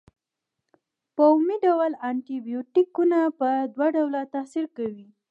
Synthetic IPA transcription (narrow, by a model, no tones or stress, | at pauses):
pawmiɖawalaɳʈibijoʈikunapəd̪waɖawlat̪asiɾkawi